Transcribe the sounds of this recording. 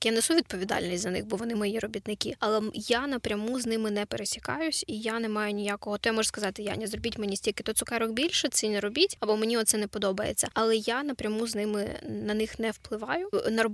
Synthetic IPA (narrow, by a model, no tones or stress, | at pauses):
janɛsuʋʲid̪̚pɔʋʲid̪ɑ̰lʲnʲisʲtʲzɐnɪ̰xbɔʋɔnɪmɔjjiɾɔbʲit̪nɪkʲɪ̰ɐlˠɛjanɐpɾʲɐmuznɪmɪnɛpeɾesʲi̥kɑjʊsʲijanɛmɑjʊnʲijakɔɦɔt̪ɔjamɔʒskɐzɑt̪ɪja̰nʲɐzrɔbʲitʲmenʲisʲtʲilʲkɪ̥t̪ɔt̪sʊkɑɾɔxbʲilʲʃɛt̪sʲinɛɾɔbʲitʲɐbɔmenʲiɔt̪sɛnɛpɔd̪ɔbɐjḛt͡sʲːɐ̰ɐlˠɛjanɐpɾʲɐmuznɪmɪ̰nɐnɪxnɛwplˠɪʋɑjʊnɐrɔb